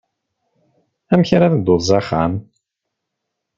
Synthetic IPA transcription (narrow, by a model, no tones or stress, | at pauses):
æmçɾaðd̪oðzˤɑχa̰m